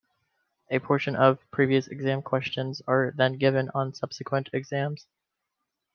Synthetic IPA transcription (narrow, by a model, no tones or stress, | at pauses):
ɨpʰɔɹʃɨ̃nʌv̥pʰɹ̥iviɨsɨ̰ɡzæ̃mkʰw̥ɛst͡ʃɨ̃nzə˞ðɨ̃nɡɪvɨ̃nə̃nsʌb̥sɨkʰwə̃ntʰɨɡzæ̃mz̥